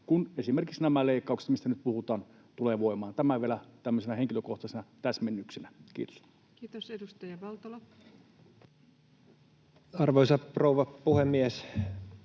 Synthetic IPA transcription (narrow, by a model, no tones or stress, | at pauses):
kunesimerkiksnæmæleikːˑɑˑukse̥t̪mist̪ænyt̪̚puhut̪ɑːn | t̪uleʋoˑimɑːnt̪æmæʋielæt̪æmːøsenæheŋkiløkoht̪ɑsenɑt̪æsmenːyksenækḭːt̪o̥s | kiːt̪osedust̪ɑjɑʋɑlt̪olo | ɑrʋoisɑprouʋɑpuhemːies